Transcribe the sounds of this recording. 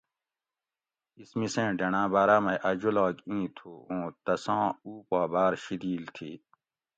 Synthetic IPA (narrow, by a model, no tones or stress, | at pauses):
ismisẽːɖɐnãːbaːɾaːmɐ̃ʔɐd͡ʑolaːkĩːt̪ʰuːõːt̪ɐsãːuːpaːbaːɾɕid̪iːlt̪ʰiː